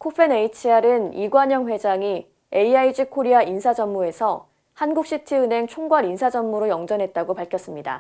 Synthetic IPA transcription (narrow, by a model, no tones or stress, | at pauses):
kʰopʰe̞ne̞it͡ɕʰiaɾɯniɡwaɲʌŋɸwe̞d͡ʑaŋi | e̞iaid͡ʑikʰoɾiaʔinsʰad͡ʑʌmːue̞sʰʌ | hanɡuk̚ɕ͈itʰiɯnɦe̞ŋt͡ɕʰoŋɡwaɾinsʰad͡ʑʌmmuɾojʌŋd͡ʑʌnɦe̞t̚t͈aɡopaɭkʰjʌs͈ɯmɲida̰